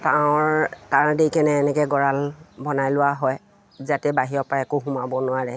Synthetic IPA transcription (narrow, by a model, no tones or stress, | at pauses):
taʊɹtaɹdejkɛnɛːnɛkɛɡɔɹalbɔnajlʊwaɦɔj | zatɛbaɦiɔpaɛkʊɦʊmabɔnʊaɹɛ